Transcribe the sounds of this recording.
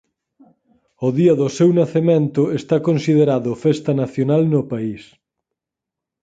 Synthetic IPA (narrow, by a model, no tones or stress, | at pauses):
oðiɐðʊsewnaθemẽnt̪ʊest̪akõnsið̞eɾaðʊfest̪ɐnaθjonalnopais